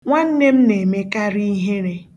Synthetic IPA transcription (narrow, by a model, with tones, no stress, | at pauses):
ŋʷa˦n̩˦ne˦m̩˦ne˨me˦ka˦ɾi˦ɦe˦ɾe˦